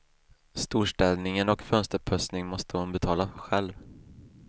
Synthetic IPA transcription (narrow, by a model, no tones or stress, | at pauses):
st̪uːʂʈɛlnɪŋənɔkfœnst̪əɾpʰœsnɪŋmɔst̪əhʊnbɛt̪ʰɑːlaɧɛlv